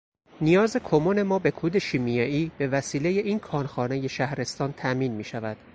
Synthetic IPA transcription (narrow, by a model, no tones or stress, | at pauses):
nijɒːze̞kʰomone̞mɒːbe̞kʰuːd̪e̞ʃiːmijɒːiːb̥e̞væsiːleje̞ʔiːnkʰɒːnxɒːne̞je̞ʃæhɾe̞st̪ɒːnt̪ʰæmiːnmiːʃævæd̪̥